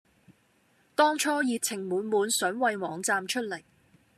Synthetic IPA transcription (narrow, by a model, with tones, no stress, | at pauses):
t̪ɔː˥ŋt͡ʃʰɔː˥jiː˧t̚t͡sʰɪ˨˩ŋmuː˨˧nmuː˨˧nsœː˨˥ŋwɐ˨jwɔː˨˧ŋt͡saː˧mt͡ʃʰɵ˥t̚lɐ˨˩j